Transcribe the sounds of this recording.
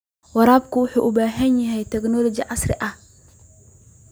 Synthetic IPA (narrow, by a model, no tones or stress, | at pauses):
wɐɾaːbkʊwʊħuːʔʊbaːɦɐnjɐɦɛjt̪ɛknɔlɔd͡ʒɪʕɑsɾɪ̰ʔɐh